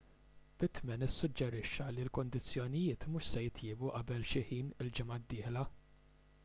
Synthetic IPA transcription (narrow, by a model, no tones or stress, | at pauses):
b̥ɪt̪mɛnɪsːʊd͡ʒːɛɾɪʃːɐlilkʊnd̪ɪt͡sːjɔnɪjɪːt̪mʊʃsɛjɪt̪jɪːbuʔɐbɛlʃɪħiːnɪld͡ʒɪmɐd̪ːɪːħlɐ